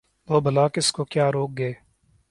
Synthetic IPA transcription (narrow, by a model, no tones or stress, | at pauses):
ʋoːbʱəlaːkɪskokjaːɾoːk̚ɡeeː